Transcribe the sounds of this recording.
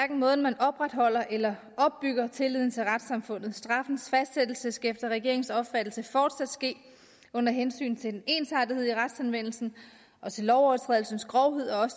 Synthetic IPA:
ʋæɐɡ̥n̩mɔ̽ːð̞ˠn̩mænɒ̽b̥ʁad̥ɦɒ̽l̰ɐʔelɐ | ʔɒ̽b̥ːyɡ̥ɐt͡sʰe̝lið̰ˠn̩t͡sʰe̝lʁad̥sɑ̈mfɔ̽n̰ð̞̩ˠsd̥ʁɑ̈fn̩sfæsd̥sed̥l̩səsɡ̥efd̥ɐʁɛɡ̥e̝ɐ̰eŋsɒ̽b̥fæd̥l̩səfɒːd̥sæd̥sɡ̥e̝̰ː | ɔ̽n̰ɐɦensy̰ːnt͡sʰe̝d̥ene̝nsɑdihe̝ð̰ˠiʁad̥sænʋen̰l̩sn̩ | ʔɒ̽t͡sʰe̝lːɒʊɒɐt͡sʰʁɛ̰ðˠl̩sn̩sɡ̥ʁɒʊɦe̝ð̞̰ˠɒ̽ɒ̽sə

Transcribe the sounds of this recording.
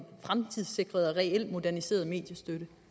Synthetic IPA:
fʁamt͡sʰið̰ˠse̝ɡ̥ʁɐð̞ˠɒʁɛel̰̥mo̝d̥æɐnise̝̰ːɐð̞ˠme̝̰ːd̥jəsd̥øɾ̥ə

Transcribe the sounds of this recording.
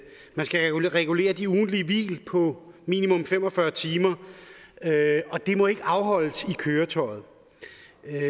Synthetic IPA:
mænsɡ̥æuʁɛɡ̥ule̝̰ːɐd̥iuːn̩dliəʋḭːlpʰɒ̽mḭːnimɔ̽mfem̰ɒ̽fɶɐt͡sʰiːmɐ | øɒ̽d̥e̝mɒ̽e̝ɡ̥əɑ̈ʊɦɒ̽l̰əsikʰøːɐt͡sʰɒ̽ɪð̩ˠ

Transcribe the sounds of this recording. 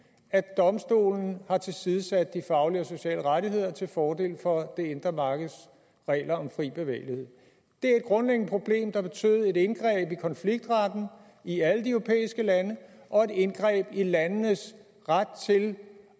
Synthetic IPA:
æd̥ɒ̽msd̥o̝̰ːln̩hɑ̈t͡sʰe̝lsiðˠəsæd̥̚ːifɑ̈ʊliɒso̝ɕɛ̰ːləʁaɾiɦe̝ð̞̰ˠɐt͡sʰe̝lfɒːd̥e̝̰ːlfɒ̽d̥e̝e̝nd̥ʁɐmɑ̈ːɡ̥ð̩ˠs | ʁɛ̰ːlɐɒ̽mfʁḭːb̥e̝ʋɛ̰ːɪlihe̝ð̰ˠ | d̥e̝æɐe̝d̥̚ɡ̥ʁɔ̽nleɡ̥n̩əpʰʁo̝b̥le̝̰ːmd̥ɑ̈b̥e̝t͡sʰy̰ːð̩ˠe̝ɾenɡ̥ʁɛ̰ːb̥ikʰɒ̽nfliɡ̥̚d̥ʁɑd̥n̩ | iæləd̥iøʊʁopʰḛːisɡ̥əlænə | ʔɒ̽e̝de̝nɡ̥ʁɛ̰ːb̥ilænːəs | ʁad̥̚t͡sʰe̝l

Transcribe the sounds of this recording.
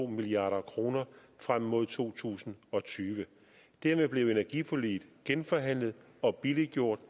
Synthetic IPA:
o̝̰ːmiliɑ̰̈ːɾ̥ɐkʰʁo̝ːnɐfʁam̰ːo̝ð̞̰ˠt͡sʰo̝̰ːt͡sʰṵːsn̩ɒ̽t͡sʰyːʋə | d̥æɐmeb̥le̝ʊe̝næɐɡ̥ifɒliːd̥ɡ̥enfɒ̽ɦæn̰ləð̞̩ˠ | ɒ̽b̥iliɡ̥jo̝ɐ̰d̥

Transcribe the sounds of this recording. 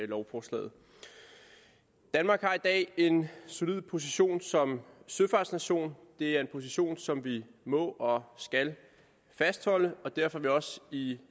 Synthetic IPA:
lɒʊfɒslɛ̰ːð̩ˠ | d̥ænmɑ̈ːɡ̥hɑ̈id̥ɛ̰ːe̝nso̝lið̰ˠpʰo̝s̬iɕo̝̰ːnsɒ̽msøfɑ̈ːd̥snæɕo̝̰ːnd̥e̝æɐe̝npʰo̝s̬iɕo̝̰ːnsɒ̽mʋimɔ̰̽ːʔɒ̽sɡ̥æl | fæsd̥hɒ̽ləɒ̽d̥æɐfɒ̽ʋiɒ̽si

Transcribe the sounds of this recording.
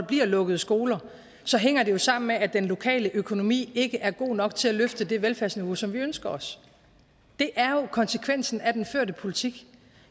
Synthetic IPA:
b̥liɐ̰lɔ̽ɡ̥əð̞̩ˠsɡ̥o̝ːlɐ | sɒ̽ɦeŋ̰ɐd̥e̝jo̝sɑ̈m̰n̩meʔæd̥enlo̝kʰɛ̰ːləʔøkʰo̝no̝mḭːe̝ɡ̥əʔæɐɡ̥o̝̰ːnɒ̽ɡ̥̚t͡sʰe̝læløfd̥əd̥e̝ʋelfæɐsniʋo̝sɒ̽mʋiønsɡ̥ɐɒ̽s | d̥e̝ʔæɐjo̝kʰɒ̽nsəkʰʋen̰sn̩æd̥enføɐ̰dəpʰo̝lit͡sʰiɡ̥

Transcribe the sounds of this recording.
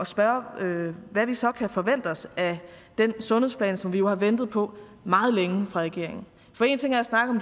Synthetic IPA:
ɒ̽sb̥ɶɐøʋæʋisɒ̽kʰæfɒ̽ʋen̰d̥ɒsæd̥ensɔ̽nhḛspʰlɛ̰ːnsɒ̽mʋijo̝hɑ̈ʋen̰d̥ð̞̩ˠpʰɒ̽mɑ̈ːð̞̩ˠleŋəfʁɑ̈ʁɛɡ̥e̝̰ɐ̰e̝ŋn̩ | fɒ̽e̝ːnt͡sʰe̝ŋæɐjæsnɑ̈ɡ̥ð̩ˠɒ̽md̥

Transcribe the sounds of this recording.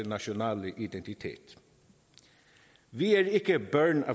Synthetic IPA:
nɑʃʊnɑːləʔɪd̪ɛnt̪ɪt̪ʰḛːt̪ | ʋiːæːɹɪkəbœːɹɳɑ̰

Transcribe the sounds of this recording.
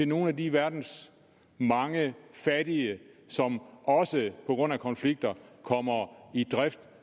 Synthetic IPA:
t͡se̝no̝ːn̩ædiʋæɐd̥n̩s | mɑ̈ŋəfæɾiəsɒ̽mʔɒ̽səpʰɒ̽ɡ̥ʁɔ̽n̰ækʰɒ̽nfliɡ̥̚d̥ɐkʰɒ̽m̰ɐid̥ʁɛfd̥

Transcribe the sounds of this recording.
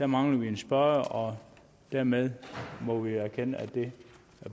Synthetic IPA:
d̥æɐmɑ̈ŋlɐʋie̝nsb̥ɶɐɒ̽ | d̥æɐmeð̞ˠmɒ̽ʋiæɐkʰenəæd̥e̝ | æɐ

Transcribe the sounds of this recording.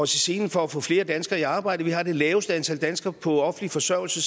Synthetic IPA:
ɒsise̝ːn̩fɒ̽æfɔ̽fle̝ːɐd̥ænsɡ̥ɐːiɑ̈ːb̥ɑ̈ɪ̰d̥əʋihɑ̈d̥e̝lɛːʊsd̥əænt͡sʰæl̰d̥ænsɡ̥ɐpʰɒ̽ɒ̽fn̩lifɒ̽sœʊ̰l̩sə

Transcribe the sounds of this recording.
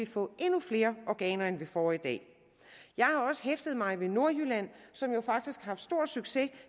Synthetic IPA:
ifɔ̰̽ːe̝nufle̝ːɐɒɡ̥ɛ̰ːnɐenʋe̝fɒːid̥ɛ̰ː | jɑ̈ɪhɑ̈ɒ̽sə̥ɦefd̥əð̩ˠmɑ̈ɪʋe̝no̝ɐ̰jylæn̰sɒ̽mjo̝fɑ̈ɡ̥̚d̥isɡ̥hɑ̈fd̥sd̥o̝ɐ̰̥syɡ̥se̝

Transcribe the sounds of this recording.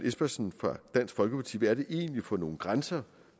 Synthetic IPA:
ʔesb̥ɐsn̩fʁɑ̈d̥æn̰sɡ̥fɒ̽lɡ̥əpʰɑt͡sʰḭːʋææɐɾ̥e̝ʔe̝̰ːnlifɒ̽no̝ːn̩ɡ̥ʁansɐ

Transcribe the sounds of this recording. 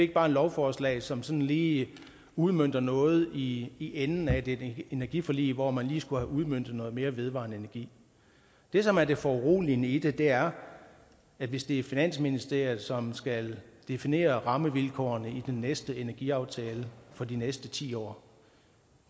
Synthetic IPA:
e̝ɡ̥əb̥ɑ̈ːe̝nlɒʊfɒːslɛ̰ːɪsɒ̽msɒ̽n̩liː | uð̞ˠmøn̰d̥ɐnɔ̽ːð̞̩ˠiːʔenn̩æd̥e̝e̝næɐɡ̥ifɒlḭːʋɒmænliːsɡ̥uhæʔuð̞ˠmøn̰d̥ð̞̩ˠnɔ̽ːð̩ˠme̝ːɐʋe̝ð̞ˠʋɑ̰̈nəe̝næɐɡ̥ḭː | d̥e̝sɒ̽mæɐd̥e̝fɒʁo̰ːlinəid̥e̝d̥e̝æɐ | ædʋe̝sd̥e̝æɐfinæn̰sminisd̥e̝ɐ̰jð̩ˠsɒ̽msɡ̥æld̥e̝fine̝̰ːɐʁɑ̈məʋilkʰɒ̰ɐnəid̥enːesd̥əe̝næɐɡ̥iɑ̈ʊt͡sʰɛːləfɒ̽d̥inesd̥ət͡sʰḭːɒ̰ː

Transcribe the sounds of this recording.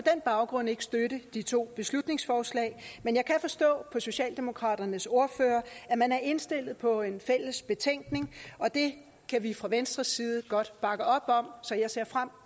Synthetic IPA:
pʰɒ̽d̥enb̥ɑ̈ʊɡ̥ʁɔ̽n̰e̝ɡ̥ə̥sd̥øɾəd̥it͡sʰo̝̰ːb̥e̝slud̥ne̝ŋsfɒːslɛ̰ɪmenjɑ̈ɪkʰæfɒ̽sd̥ɔ̰̽ːpʰɒ̽so̝ɕɛ̰ːld̥e̝mo̝kʰʁɑ̰̈ːɾ̥ɐnəso̝ɐføːɐæmænæɐe̝nsd̥e̝l̰ð̞̩ˠpʰɒ̽e̝nfel̰əsb̥e̝t͡sʰeŋ̰ɡ̥ne̝ŋɒ̽d̥e̝ | kʰæʋifʁɑ̈ʋensd̥ʁɐsːiːð̞̩ˠəɡ̥ɒ̽d̥b̥ɑ̈ɡ̥əɒ̽b̥ɒ̽msɒ̽jɑ̈ɪse̝ɐ̰fʁam̰

